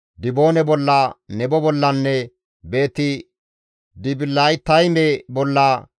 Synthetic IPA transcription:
d̪ɪbo̞ːnɛbɔlːɐnɛbɔbɔlːɐnːɛ | be̞ːt̪ɪ | d̪ɪbɪlajt̪ːɐjnɛbɔlːɐ

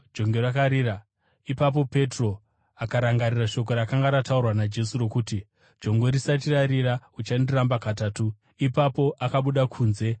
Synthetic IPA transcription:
d͡ʒo̞ŋɡe̞rakaɾiːra | ipap̬o̞pe̞tro̞ | akaɾaŋɡariraʃo̞k̬o̞ɾakaŋɡaɾataurwanad͡ʒe̞suro̞kuːti | d͡ʒo̞ŋɡoɾisat̬iraɾiɾaut͡ʃandirambakataːtu | ipapo̞ʔakaɓuɗakʰuːnze̞

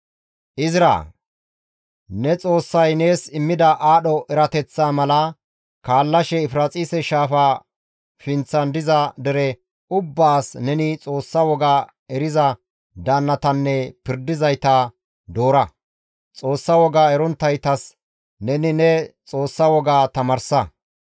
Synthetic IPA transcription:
ʔɪzɪɾa̰ː | nɛt͡sʼo̞ːsːɐjne̞ːsɪmːɪd̪ɐʔaːɗɔʔɛɾɐt̪ɛt͡sːaːmɐlɐ | kaːlːɐʃɛɪfɾɐt͡sʼiːsɛʃaːfaː | fɪnt͡sːɐnd̪ɪzɐd̪ɛɾɛ | ʊbːaːsnɛnɪt͡sʼo̞ːsːɐwɔɡaː | ɛɾɪzɐ | d̪aːnːɐt̪ɐnːɛpɪɾd̪ɪzɐjt̪ɐ | d̪o̞ːɾɐ | t͡sʼo̞ːsːɐwɔɡaːɛɾɔnt̪ːɐjt̪ɐs | nɛnɪnɛt͡sʼo̞ːsːɐwɔɡaːt̪ɐmɐɾsɐ

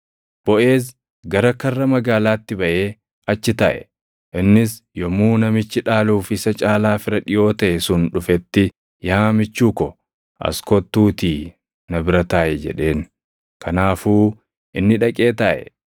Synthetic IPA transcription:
b̥ɔʔe̞ːs̬ | ɡɐɾɐkɐrːɐmɐɡaːlaːt̪ːɪbɐʔe̞ː | ɐt͡ʃːɪt̪ɐʔɛ̰ | ʔɪnːɪsjɔmuːnɐmɪt͡ʃːɪᶑaːluːfɪsɐt͡ʃʼaːlaːfɪɾɐᶑɪjo̞ːt̪ɐʔɛsʊnᶑʊfɛt̪ːɪ | jaːmɪt͡ʃːuːkɔ | ʔɐ̰skɔt̪ːuːt̪iː | nɐbɪɾɐt̪aːʔɛd͡ʒɛ̰ᶑe̞ːn | kʰɐnaːfuː | ʔɪnːɪᶑɐkʼe̞ːt̪ɐʔɛ̰

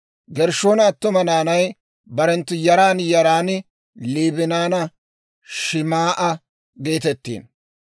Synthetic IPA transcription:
ɡɛɾʃoːnɐːt̪ːʊmɐnaːnɐj | bɐɾɛnt̪ːʊjɐɾaːnjɐɾaːnɪ | liːbɪnaːnɐ | ʃɪmaːʔɐ | ɡe̞ːt̪ɛt̪ːḭːn

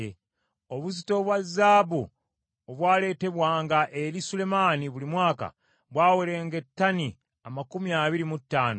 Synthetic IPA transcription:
e | o̞βuzito̞βwazːaːbu | oβwaːle̞ːte̞βwaːŋɡaʔe̞ɾisule̞maːniβulimwaːka̰ | βwaːweɾe̞ːŋɡe̞tːani | amakumiaβiɾimutːaːno

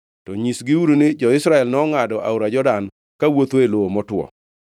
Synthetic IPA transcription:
tɔɲisɡɪuɾunɪd͡ʒɔɪsɾaɛlnɔːŋadɔʔa̰uɾad͡ʒɔdan | kawot̪oeloomɔtwɔ̰

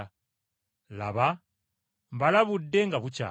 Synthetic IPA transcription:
la̰βa | mbalaβudːe̞ŋɡaβuca̰ː

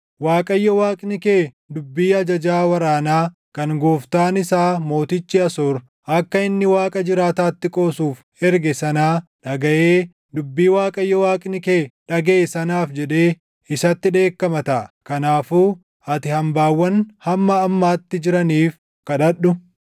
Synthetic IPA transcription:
waːkʼɐjːɔwaːkʼnɪkeː | d̪ʊbːiːɐd͡ʒɐd͡ʒaːwɐɾaːnaː | kɐŋɡoːft̪aːnɪsaːmo̞ːt̪ɪt͡ʃːɪɐsoːɾ | ʔɐkːɐɪnːɪwaːkʼɐd͡ʒɪɾaːt̪aːt̪ːɪkʼo̞ːsuːf | ɛɾɡɛsɐnaːᶑɐɡɐʔeː | d̪ʊbːiːwaːkʼɐjːɔwaːkʼnɪke̞ːᶑɐɡeːsɐnaːfd͡ʒɛᶑe̞ː | ɪsɐt̪ːɪᶑe̞ːkːɐmɐt̪ɐʔkɐnaːfuː | ʔɐt̪ɪhɐmbaːwːɐnhɐmːɐːmːaːt̪ːɪd͡ʒɪɾɐniːf | kɐᶑɐɗːʊ

